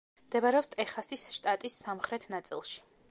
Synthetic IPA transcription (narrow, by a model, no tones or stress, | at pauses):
md̪ɛbaɾɛɔpst̪ʼɛχasisʃt̪ʼat̪ʼisːamχɾɛt̪ʰnat̪sʼḭlˠʃi̥